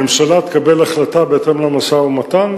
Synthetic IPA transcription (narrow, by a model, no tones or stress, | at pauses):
emʃalat̪e̥kabe̞laχlat̪abeet̪emlamasaumat̪an